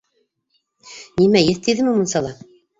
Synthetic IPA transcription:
nʲimæjɘθt̪iðɘ̆mɘmunsɑlˠɑ

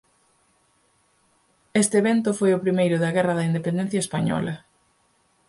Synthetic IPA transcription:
est̪ɪeβent̪ʊfojʊpɾimejɾʊðɐɣɛrɐðɐind̪epend̪ɛ̃n̟θjɐespaɲɔ̰lɐ

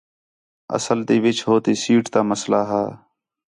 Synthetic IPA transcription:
ə̰səlt̪eːʋɪt͡ʃɦoːt̪eːsiːʈt̪aːməslaːɦaː

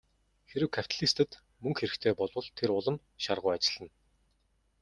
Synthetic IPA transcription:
xeɾɘ̆wkʰḁt̪aɮist̪ɘ̆t̪ | mɵŋkxeɾɘ̆kt̪ʰeːpɔɮwə̆ɮt̪ʰeɾʊɮə̆m | ʃarʁʊːat͡ɕɪ̆ɮ̥ə̆n

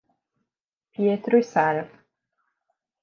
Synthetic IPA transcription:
pjet̪ɾuisɛɾv

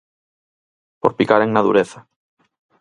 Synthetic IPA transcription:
poɾpikaɾeŋnaðṵɾeθa

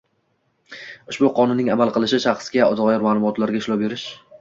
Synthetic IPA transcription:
ʊʃbʊqʰɒnʊnːɪŋamalˠqɨlˠɪʃɪʃɑχsɡʲaɒd̪ɒʁjɒɾmaːlˠʊmɒt̪laɾɡʲaɪʃlˠɒwbe̞ɾɪʃ

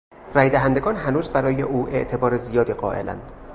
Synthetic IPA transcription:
ræːjd̪æɦænd̪eɡɒːnɦænuːzbæɾɒːjeʔuːʔe̞̰ʔt̪ʰe̞bɒːɾezijɒːd̪iːɢɒ̰ːʔe̞̰læ̰nd̪̥

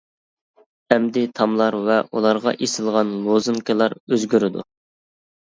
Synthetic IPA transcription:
hɛmd̪ɪt̪ʰɑmlˠɑɾvɛʔulˠɑɾʁɑ̰ʔesɪlˠʁɑnlˠozɨŋkʲʰɨlˠɑɾøzɡʲyɾɪd̪ṵ

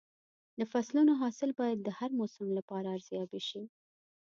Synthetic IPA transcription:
d̪əfaslunoɦɑsɪlbɑjad̪̚ːəhaɾmosamlapɑɾaːɾz̥jɑbiʃi

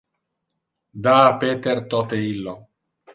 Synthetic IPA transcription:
d̪aːpet̪eɾt̪ot̪eilːo

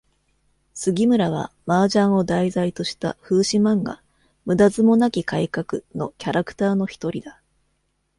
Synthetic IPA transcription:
sɨɡʲimɯ̟ɾaβ̞a̰maːʑãɰ̃o̞d̪aizait̪o̞ɕi̥t̪a̰ɸɯ̟ːɕimãŋɡa̰ | mɯ̟d̪azɨmo̞nakʲikaikakɯ̟no̞kʲaɾakɯ̟̥t̪aːno̞çi̥t̪o̞ɾʲid̪a

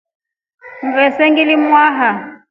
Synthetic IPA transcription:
ŋ̩ɣɛsɛŋɡilimwaːɦa

